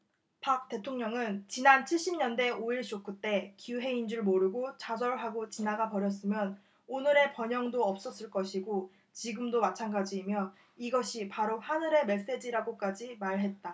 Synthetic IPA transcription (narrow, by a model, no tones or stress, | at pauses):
pak̚t͈e̞tʰoŋɲʌŋɯnt͡ɕinant͡ɕʰiɭɕ͈imɲʌnde̞oiɭt͡ɕ͈ok͈ut͈e̞kiuɦe̞ind͡ʑuɭmoɾɯɡot͡ɕad͡ʑʌɭɦaɡot͡ɕinaɡapʌɾjʌs̬͈ɯmjʌn | onɯɾe̞pʌɲʌŋdoʌp̚s͈ʌs͈ɯɭk͈ʌɕʰiɡo | t͡ɕiɡɯmdomat͡ɕʰanɡad͡ʑiːmjʌ | iɡʌɕʰipaɾohanɯɾe̞me̞s͈e̞d͡ʑiɾaɡok͈ad͡ʑimaɭɦe̞t̚t͈a